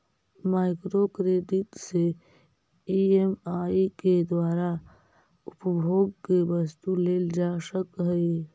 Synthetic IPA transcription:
maɪkɾokɾed̪it̪se | iemaiked̪waːɾa | ʊpəbʱoːɡkebəst̪uleːld͡ʒasəkɦəj

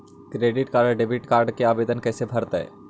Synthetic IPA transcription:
kɾeːɖɪʈkaːɾɖɖeːbɪʈkaːɾɖkeaːʋeːd̪ənkɛːsebʱəɾt̪ɛ̰ː

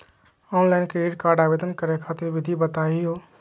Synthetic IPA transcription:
ɔːnlaːɪnkeeːɖkaːɾɖaːʋeːd̪ənkəɾekʰaːt̪ɪɾʋɪd̪ʱibət̪aːiɦoː

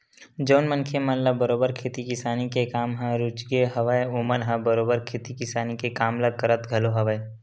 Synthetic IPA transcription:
d͡ʒoːnmənkʰemɐnləbəɾoːbəɾkʰeːt̪ikɪsaːnikekaːmɦãɾʊt͡ʃɡeɦɐʋaeʊməɾɦə̃bəɾoːbəɾkʰeːt̪ikɪsaːnikekaːmləkəɾət̪ɡʱɐloɦɐʋae

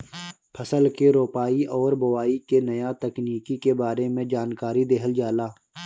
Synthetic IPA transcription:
pʰəsəlkeɾoːpaːiʔɔːɾbɐwaːikenɐjat̪ɐkniːkikebaːɾemẽd͡ʒaːnkaːɾid̪eɦəld͡ʒaːlaː

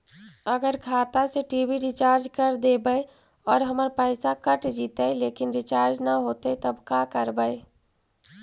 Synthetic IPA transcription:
əɡəɾkʰat̪aseʈibʱiɾit͡ʃaɾd͡ʒkəɾd̪ebəɪ | ɔːɾɦəməɾpəsakəʈd͡ʒit̪əjlekinɾit͡ʃaɾd͡ʒnəɦot̪ət̪əbkakəɾbəɪ

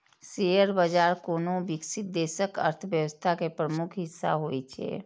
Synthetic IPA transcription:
sejəɾbəd͡ʒaːɾkoːnobɪksɪt̪̚d̪eːsəkə̰ɾt̪ʰəʋjəwəst̪ʰakepɾəmukʰɦɪsːa̰ɦoit͡ʃʰɛ̰ː

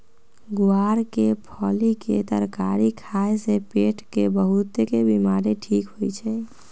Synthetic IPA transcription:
ɡuaɾkepʰɔliket̪əɾkaɾikʰaesepeʈkebəɦut̪ekebimaɾeʈʰikɦojt͡ʃʰɛ

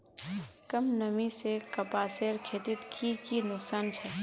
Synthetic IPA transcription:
kɐmnɐmisekɐpaːseːɾkʰeːt̪ɪt̪kʰikinʊksaːnt͡ʃʰɛ

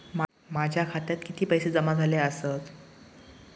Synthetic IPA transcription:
ma | mad͡ʑʱjakʰat̪jat̪kit̪ʰiːpəjsed͡zəmad͡zʱaleəsət̪

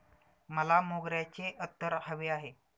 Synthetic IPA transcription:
məlamoɡɾjat͡ɕeʔət̪ːəɾhəʋeaɦe

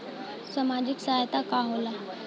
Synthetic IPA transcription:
samad͡ʑiksajt̪akaɦola

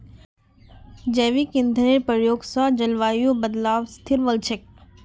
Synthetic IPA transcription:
d͡ʒɛːʋikɪ̃nd̪ʱneɾpəɾjoːɡsad͡ʒɐlʋaːjobəd̪laːʋst̪ʰɪɾʋəlt͡ʃʰək̚

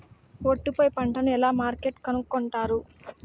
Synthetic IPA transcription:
oʈːipojipɐɳʈɐnuɛlaːmaːɾkeʈkɐnukːɔɳʈaːɾu

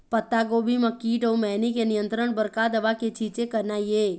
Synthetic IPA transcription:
pət̪ːaɡoːbʱiməkːiːʈoːmɛːnikenijə̃nt̪ɾəɳ̃bəɾkad̪əʋaket͡ʃʰiːt͡ʃekəɾnajeː

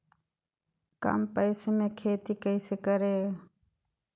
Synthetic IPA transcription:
ka̰mpəɪseːmẽːkʰeːt̪iːkəɪseːkəɾeː

